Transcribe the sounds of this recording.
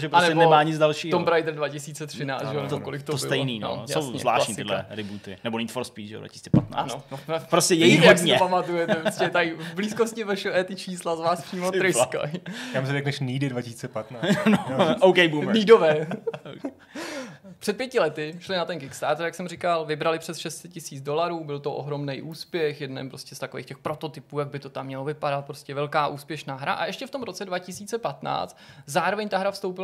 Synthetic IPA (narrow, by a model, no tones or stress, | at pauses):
ʒɛpɾosɛɛbnɛmaːɲɪt͡sd͡zdalʃiːɦ̪ombɾajd̪r̩dvacɪsiːt͡sɛt̪r̝̥ɪna̰ːt͡s̪ʒɛot̪okolɪkt̪oosɪt̪ɛjniːnno̰jaowɲzzla̰ːʃɲiːɪdlɛ̰ɾɪbuːt̪ɪ̰nɛbonit̪foɾspiːʒɛ̰dva̰cɪsi̥ːt͡sɛ̥̰pat̪na̰ːnopɾoscɛjɛjiɦdɲoɛpamat̪ujɛt̪ɛpɾoscɛt̪ajɪvbliːskoscɪvɛʃɛʔɛt̪ɪt͡ʃiːslazvaːspr̥iːmot̪ɾɪjka̰jams̬ɛɾɛknɛʃniːdɪdvacɪsiːt͡sɛpat̪naːnoʔowkɛjbuːmniːdovɛː | pr̥ɛt̪pjɛcɪlɛt̪ɪʃlɪnat̪ɛnkɪkst̪aːt̪ɾjaksɛmrɪkalvɪbɾalɪpr̝̥ɛsʃɛst̪t͡sɛcɪsiːt͡sdo̞laɾuːbɪlt̪oʔo̰ɦɾo̞mnɛjʔuːspjɛxjɛdnɛ̰mpɾo̞scɛst̪akovḛːxcɛxpɾo̞t̪o̞t̪ɪpuːjaɡ̚bɪt̪o̞t̪amːɲɛlo̞vɪpadat̪̚pɾoscɛvɛlkaːʔuːspjɛʃnaːɦɾa̰ʔa̰ʔɛʃcɛft̪o̞mɾo̞t͡sɛdvacɪsiːt͡sɛpat̪na̰ːt͡st̪zaːɾo̞vɛɲt̪aɦɾafst̪o̞wpɪl